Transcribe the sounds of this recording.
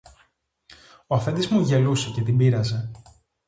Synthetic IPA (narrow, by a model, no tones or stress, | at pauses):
oɐfe̞nd̪izmuʝe̞luse̞ce̞t̪ibiɾɐze̞